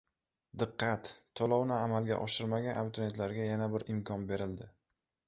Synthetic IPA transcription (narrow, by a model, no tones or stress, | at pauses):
d̪ɨqːɑt̪ːʰɒlˠɒwnɪamalɡʲa̰ʔɒʃɪɾmaɡʲanamt̪ʰonet̪laɾɡʲajanabɪɾɪmkʰɒnbe̞ɾɪld̪ɪ